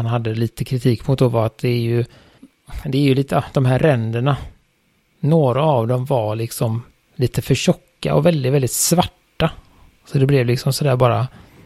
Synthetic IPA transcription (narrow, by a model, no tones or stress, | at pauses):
anɦad̪ːəliːt̪əkʰɾɪt̪ʰiːkmʊt̪̚d̪ɔvaɾat̪̚d̪ɛːɾjɵ | d̪ɛæːɾjɵliːt̪əd̪̥ɔmɦæːɾːɛnd̪əɳa | noːɾaːvd̪ɔmvaɾɭɪksɔm | liːt̪əfœɕɔkːa̰ʔɔ̰vɛld̪ɪvɛlɪt̪svaʈːa | sɔd̪ɛblɛvlɪksɔmsɔd̪æːɾbɑːɾa